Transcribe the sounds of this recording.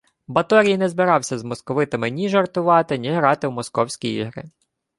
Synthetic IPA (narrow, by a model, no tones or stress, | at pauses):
bɐt̪ɔɾʲijnɛzbɪɾɑwsʲɐzmɔskɔʋɪt̪ɪmɪnʲiʒɐrt̪ʊʋɑt̪ɪnʲiɦɾɑt̪ɪwmɔskɔwsʲkʲiḭɦɾɪ̰